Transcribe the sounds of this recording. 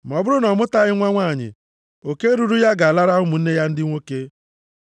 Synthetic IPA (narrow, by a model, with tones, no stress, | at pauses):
m˨ɔ˨bʊ˦ɾʊ˦nɔ˨mʊ˦ta˦ɣɪ˦ŋʷa˦ŋʷa˦˨ɲɪ̰˨ | o˨ke˦ɾu˨ɾu˦ja˦ɡa˨a˨la˦ɾa˦ɦʊ˦mʊ˨n̩˦ne˦ja˦n̩˦dɪ˦ŋʷo˦ke˦